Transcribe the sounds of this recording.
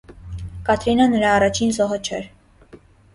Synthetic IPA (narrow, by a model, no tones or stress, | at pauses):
kɑt̪ʰɾinənəɾɑːrɑt͡ʃʰinzɔɦət͡ʃʰɛɾ